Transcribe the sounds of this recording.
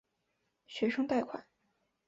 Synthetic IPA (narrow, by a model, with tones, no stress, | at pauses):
ɕɥɛ˧˥ʂɤ˥ŋt̪a˥˩ɪkʰwa̰˨˩˦